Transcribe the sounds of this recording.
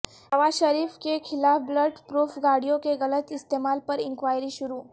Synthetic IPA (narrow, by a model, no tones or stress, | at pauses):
nɐʋaːʃɐɾiːfkekʰɪlaːfbləɖpɾuːfʰɡaːɽijõkeɣɐlət̪ɪst̪eːmaːlpɐɾɪ̃ŋkʋaːjɾiʃʊɾuː